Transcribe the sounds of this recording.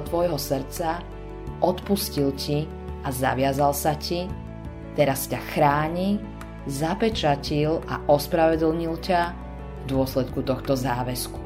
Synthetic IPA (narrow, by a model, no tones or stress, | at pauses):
t̪ʋɔjɦɔsr̩t͡sa | ʔɔt̪puscilci | aza̰ʋɪazalsaci | t̪ɛɾascaxɾaːɲi | zapɛt͡ʃacila̰ʔɔspɾaʋɛd̪l̩ɲilca | vd̪ʊɔslɛt̪kut̪ɔxt̪ɔzaːʋɛsku̥